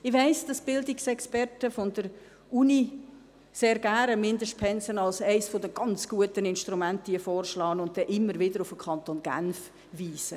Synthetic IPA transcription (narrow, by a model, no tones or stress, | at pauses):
ɪʋæɪsd̥ɑsb̥ɪldɪksɛkspɛɾtəfɔndəɾ | uni | seːɾɡ̥æɾəmɪndəʃt̚pʰɛnsənɑlsæɪsfodəɡ̥ɑnt͡sɡ̥uətənɪnʃtɾumæntiəfɔːrʃlɑːənʊnt̚d̥ɛʔɪmːəɾʋɪdəɾʊfəkʰɑntonɡ̥æ̰nf | viːsə